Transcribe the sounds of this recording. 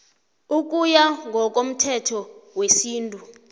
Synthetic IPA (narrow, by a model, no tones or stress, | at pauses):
uk̬ʼujaŋɡʱɔk̬ʼom̩tʰɛtʰɔwesiːntʼu